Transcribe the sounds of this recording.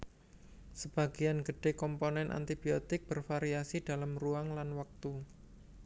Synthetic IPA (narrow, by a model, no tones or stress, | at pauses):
səb̥a̤ɡ̥ianɡəɖ̥e̤kɔmponɛnʔa̰nt̪ibiot̪ɪk̚b̥ərfaɾiasid̥a̤lamruaŋlanwak̚t̪u